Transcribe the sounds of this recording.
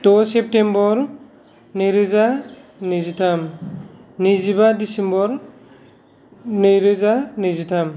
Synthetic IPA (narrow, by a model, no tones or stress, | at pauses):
tɔsɛp̚tembɔɾ | nɯjɾɯzanizitʰam | nizibadisembɔɾ | nɯjɾɯzanizitʰam